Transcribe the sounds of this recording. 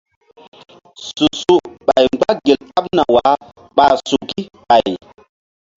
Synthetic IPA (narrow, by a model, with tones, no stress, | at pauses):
su˨su˦ɓa˨jɡ͡ba˦ɡe˨la˦p̚na˨wa˨˦ | ɓa˨su˨ki˦ɓa˨j